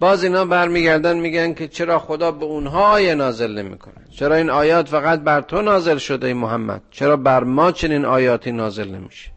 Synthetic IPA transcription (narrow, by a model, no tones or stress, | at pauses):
b̥ɒːziːnhɒːbæɾmiːɡæɾd̪ænd̪miːɡænkʲʰe̞t͡ʃʰeɾɒːxod̪ɒːbeunɦɒːɒːjenɒːze̞lne̞mḭːkʰo̰næ̰d̪̥t͡ʃʰeɾɒːiːnɒːjɒːt̪fæɣæt̪̚bæɾt̪ʰonɒːze̞lʃod̪eimoɦæmːæ̰d̪̥̚t͡ʃʰeɾɒːbæɾmɒːt͡ʃʰe̞niːnɒːjɒːt̪ʰiːnɒːze̞lne̞̰miʃe̥